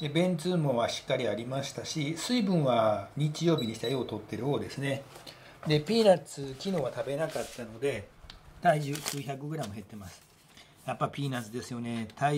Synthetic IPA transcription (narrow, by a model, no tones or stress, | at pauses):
ebẽ̞nt͡sɨːmoβaɕi̥kːaɾʲiaɾʲimaɕi̥t̪aɕisɨibɯ̟̃ɰ̃βaɲ̟it͡ɕijo̞ːbʲiɲ̟iɕit̪aiot̪o̞t̪ːe̞ɾɯo̞ːd̪e̞sɨne̞ | d̪e̞pʲiːnat͡sɨkʲino̞ːβat̪abe̞nakat̪ːano̞d̪e̞t̪aiʑɨsɨːçakɯoɡɯ̟ɾãmːɯ̟ɦe̞t̪ːe̞masɨ̥ | japːaipʲiːnat͡sɨd̪e̞sɨjo̞ne̞t̪a